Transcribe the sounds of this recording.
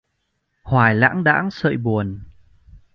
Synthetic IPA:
hwaː˨˩jla̰ː˧˥ŋɗa̰ː˧˥ŋsə̰ː˧˨jɓu˨˩ən

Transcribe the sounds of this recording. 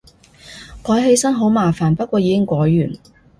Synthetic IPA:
kʰɔː˨˥jɦe˧jsɐ˥nɦo˨˥wmaː˨˩faː˨˩npɐ˥t̚kʷwɔː˧jiː˨˧kɪ˥ŋkʷɔː˨˥jːyː˨˩n

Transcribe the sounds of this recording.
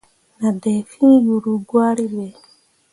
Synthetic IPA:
na˨dɛ˨fi˦n˦ju˨ɾu˨ɡwa˦ɾi˦βɛ˨

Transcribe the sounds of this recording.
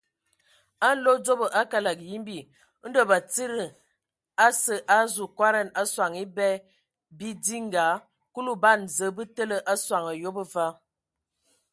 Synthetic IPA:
a˦n̩˦lo˦d͡zo˦bə˨ʔa˦ka˦la˨kji˦mbi˨˦ | n̩˦də˦˨ba˨t͡si˦ɾə˨ | a˦sə˨ʔa˦zu˨kwa˦ɾa˦˨na˦swa˨ŋi˦bɛ˦ | bi˦di˦ŋ˦ɡa˨˦ | ku˦lu˦˨ba˦˨n˨zə˨˦bə˦tə˦lə˦˨ʔa˦swa˨ŋa˨jo˦bə˦va˦

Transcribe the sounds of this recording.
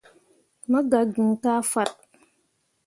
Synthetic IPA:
ma˦ɡa˨ɡi˨ŋ˨ka˦fa˦t̚

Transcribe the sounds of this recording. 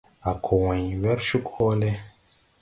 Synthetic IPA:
a˨kʰo˨wɛ̃˨ɲwɛ˦ɾʃu˦kho˦le˦

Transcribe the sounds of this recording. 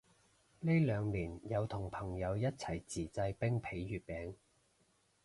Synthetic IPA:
ne˥jlœː˨˧ŋliː˨˩njɐ˨˧wt̪ʰʊ˨˩ŋpʰɐ˨˩ŋjɐ˨˧wjɐ˥t̚t͡sʰɐ˨˩jt͡siː˨˩t͡sɐ˧jpɪ˥ŋpʰe˨˥jːyː˨˩t̚pɛː˨˥ŋ

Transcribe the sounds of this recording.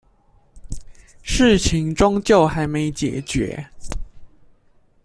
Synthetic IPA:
ʂɻ̩˥˩t͡ɕʰi˧˥˦ŋʈ͡ʂʊ˥ŋt͡ɕjo˥˨ʊxa˧˥ɪme˧˥ɪt͡ɕjɛ̰˨˩t͡ɕɥɛ̰˧˥

